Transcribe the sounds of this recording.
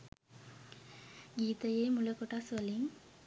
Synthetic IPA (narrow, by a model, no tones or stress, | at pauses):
ɡiːt̪ɐjeːmulɐkoʈasʋɐliŋ